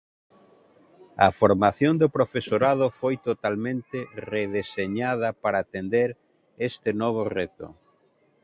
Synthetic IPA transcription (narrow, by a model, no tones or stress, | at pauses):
ɐ̰foɾmaθjond̪opɾofesoɾað̞ofojt̪ot̪almẽnt̪ereðeseɲað̞ɐpaɾaːt̪end̪eɾ | est̪ɪnɔβ̞oret̪o̰